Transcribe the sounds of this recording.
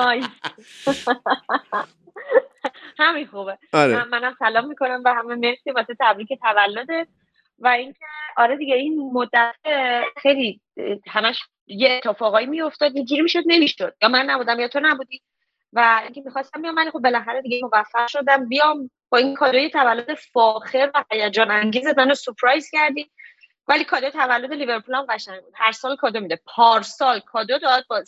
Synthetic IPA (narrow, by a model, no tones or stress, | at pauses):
ɒjis | hæminxubeɒɾeæːænæmsælɒːmːikʰo̞næmvæɦæmemeɾsebɒset̪ʰæbɾiːce̞t̪ʰævælːod̪e | væincʲʰe̞ɒɾed̪iɟeinmod̪ːæt̪ʰexejli | hæmæʃ | jeːt̪ʰːefɒːɣɒːjimijo̞ft̪ɒːd̪̚jed͡ʒiɾimiʃo̞d̪ne̞miʃod̪̥̚jɒːmænːæbuːd̪æmjɒːt̪ʰo̞næbuːd̪iː | væiŋcʰe̞mixɒst̪æmbijɒmvælixo̞b̚ːe̞læxæɾed̪iɟemo̞væfːæɾʃo̞d̪æmbijɒːm | b̥ɒːinkʰɒd̪ojet̪ʰævælːo̞d̪e̞fɒːxeɾvæhæjæd͡ʒɒːnæŋɟiːzemænosupʰɾɒjz̥cæɾd̪iː | vælikʰɒːd̪ot̪ʰævælːo̞d̪elive̞ɾpʰulæmɢæʃæŋbud̪̥hæɾsɒːlkʰɒːd̪omid̪epʰɒːɾsɒːlkʰɒːd̪od̪ɒd̪̚bɒz